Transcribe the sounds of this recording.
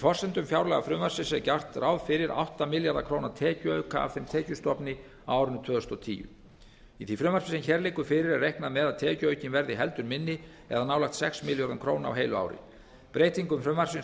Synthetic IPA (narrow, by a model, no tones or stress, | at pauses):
ifɔr̥sɛnt̪ʏmfjawɾlɛɣa̰fɾʏmvar̥sɪsɛcar̥t̪rʔawðfɪɾɪɾa̰wht̪amɪljaɾðakʰɾoːwnat̪ʰɛːcʏœːɥka̰a̰vθejmt̪ʰɛːcʏst̪ɔpnɪ | awaːwɾʏnt̪ʰvœːðʏst̪ɔt̪ʰḭːjʏ̰ | iθifɾʏːmvaɾ̥sɪsɛnçɛɾlejkʏfɪɾɪɾɛrejhknamɛðaðt̪ʰɛːcʏœːɥcɪnvɛɾðɪɦɛl̪t̪ʏɾmɪnːɪ | ɛ̰ðanaːwlajxt̪sɛksmɪljaɾðamkʰɾoːwnaa̰wɦeːjlʏa̰ːwɾɪ̰ | pɾeːjt̪iŋkʏmfɾʏmvaɾ̥sɪn